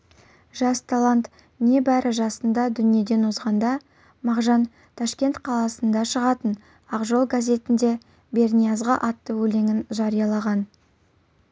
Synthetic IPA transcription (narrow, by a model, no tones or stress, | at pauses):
ʒ̥ɑst̪ʰalˠant̪ | ne̞bæɾɪʒɑsənd̪ɑd̪ʏnije̞d̪e̞nwozʁɑnd̪ɑ | mɑʁʒɑn | t̪ʰɑʃkʲe̞nt̪qʰɑlˠɑsənd̪ɑʃəʁɑt̪ən | ɑqʒolˠɡazʲe̞t̪ɪnd̪e̞ | be̞rnʲijazʁɑʔɑt̪ːəwɵle̞ŋɪnʒɑɾijɑlˠɑʁɑn